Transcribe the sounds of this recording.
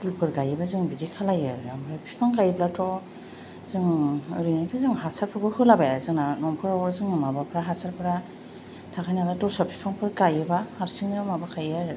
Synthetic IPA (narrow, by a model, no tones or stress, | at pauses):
dupʰɯɾɡajɯbazɯŋbizikʰalajaɾjambapʰi̥pʰaŋkajblatʰɔ | zɯŋɯɾinatʰɯzɯŋɦasaɾpʰɔɡɯhɯlabajazɯŋnanɔmpʰɯɾɔɔzɯŋmabapʰɾaɦasaɾpʰɯɾa | tʰakajnalatɔsɔpʰi̥pʰaŋpʰɯɾɡajɯbaaɾsiŋamabakʰajaɾ